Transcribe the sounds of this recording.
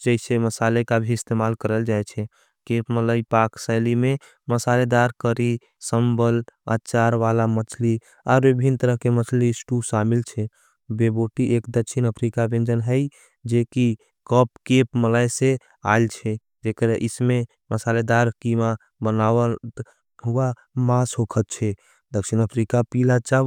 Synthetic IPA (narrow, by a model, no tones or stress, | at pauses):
d͡ʒəiseməsalekabʱiɪst̪emalkəɾəld͡ʒaet͡ʃʰɛ | kepmələipaksəɪlime | məsaled̪aɾkəɾi | səmbələ̰tːt͡ʃaɾʋalamət͡ʃʰli | aɾebʱint̪əɾəɦkemət͡ʃʰlisʈusamilt͡ʃʰɛ | beboʈiʔekd̪əkʃʰinəpʰɾikabẽnd͡ʒənɦəj | d͡ʒeki | kɔp̚kepməlajse | a̰lt͡ʃʰɛ | d͡ʒekəɾʔisme | məsaled̪aɾkima | bənawə | ɦua | masɦokʰət̪̚t͡ʃʰɛ | d̪əkʃinəpʰɾikapilat͡ʃa